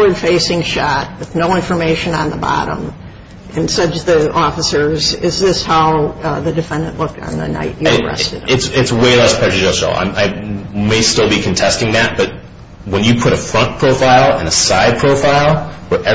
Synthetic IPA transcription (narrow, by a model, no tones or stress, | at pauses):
ə˞d̥feɪsɪ̃ŋʃɑt̚wɨðnoʊɪ̃ɱfə˞meɪʃɨ̃nə̰̃nðəbɑ̰ɾə̰̃m | ʔɨ̃nsʌt͡ʃðiɔfəsə˞zɪzðɪshaʊðɨdɨfɛ̃ndɨ̃nʔlʊk̚tn̩ðɨ̰na̰ɪʔɨɹɛ̰stɨɾɪtsɪtsweɪlɛspʰɛd͡ʒɨd͡ʒʌʃo̰ʊã̰ɪ̃maɪmeɪstɪlˠbikʰɨ̃n̩tʰɛstɪ̃ŋðæt̚b̥ʌt̚ | wə̃njɨpʰʊɾɨfɹʌ̃npʰɹ̥oʊfaɪlˠɨ̰̃nəsaɪd̚pʰɹ̥oʊfaɪlˠwəʔɛ